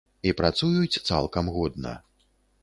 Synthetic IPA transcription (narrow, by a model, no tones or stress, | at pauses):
ipɾat̪sujut͡sʲt̪sa̰lˠkɐmɣɔd̪nɐ̰